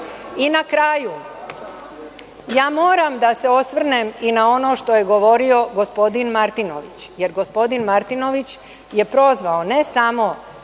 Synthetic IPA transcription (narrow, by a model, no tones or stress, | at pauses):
inakɾaːju | jaːmo̞ːɾamd̪ase̞o̞sʋr̩neminao̞no̞ːʃt̪o̞je̞ɡo̞ʋo̞ɾio̞ɡo̞spo̞d̪inmaɾt̪ino̰ʋit͡ɕje̞ɾɡo̞spo̞d̪inmaɾt̪ino̞ʋit͡ɕ | je̞pɾo̞zʋaone̞samo̞